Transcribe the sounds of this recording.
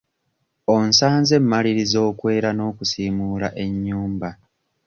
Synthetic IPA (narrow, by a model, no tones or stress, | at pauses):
onsaːnze̞mːaliɾizo̞ːkwe̞ːɾano̞ːkusiːmuːlaʔe̞ɲːuːmba